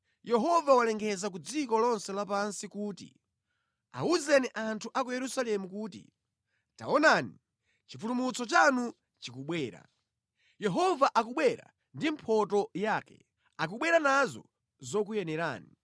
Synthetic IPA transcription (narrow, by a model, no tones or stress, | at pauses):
jɛɦɔvawalɛŋɡɛzak̬ud͡zikɔlɔnsɛlapansikuːtḭ | a̰uzɛniʔantʰuʔakujɛɾusalɛmukuːtḭ | ta̰ɔnani | t͡ʃifulumut͡sɔt͡ʃanu | t͡ʃikuɓwɛːɾa̰ | jɛɦɔvaʔakuɓwɛɾa̰ | ndimpʰɔtɔjaːkɛ̰ | ak̬uɓwɛɾanazɔ̰ | zɔk̬ujɛnɛɾa̰ːni